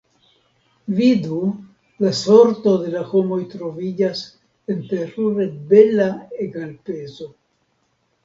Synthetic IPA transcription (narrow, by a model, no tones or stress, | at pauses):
vidu | laso̞ɾto̞de̞laho̞mo̞jtɾo̞vid͡ʒas | enpeɾuɾebe̞laeɡalpe̞zo̞